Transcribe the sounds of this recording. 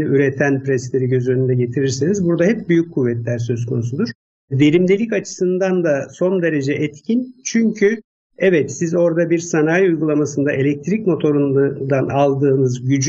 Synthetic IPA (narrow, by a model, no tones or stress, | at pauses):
iyɾet̪ʰænpɾɛslʲe̞ɾiɟø̞zønynd̪ɛɟe̞t̪ʰiɾiɾsinizbuɾd̪ahɛpbyjyc̚kʰːuvːɛt̪lʲæɾsø̞s̬kʰo̞nusud̪uɾ̥ | ve̞ɾimd̪elʲicat͡ʃʰɯ̥sɯnd̪and̪aso̞nd̪e̞ɾe̞d͡ʒɛʔɛt̪cʰint͡ʃʰyɲcʰy | ɛvɛt̪sizo̞ɾd̪abiɾsanaːjujɡulˠamasɯnd̪aʔelʲɛc̚t̪ʰɾicmo̞t̪ʰo̞ɾund̪d̪analˠd̪ɯːnɯzɟyd͡ʒ